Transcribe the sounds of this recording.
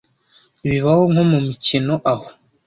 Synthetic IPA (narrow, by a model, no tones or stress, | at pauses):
βiβahoŋhomumicino̞ʔaho